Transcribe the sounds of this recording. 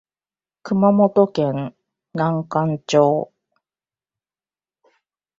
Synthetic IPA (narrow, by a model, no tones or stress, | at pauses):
kɯ̟mamo̞t̪o̞kẽŋ | nãŋkãɲt͡ɕoː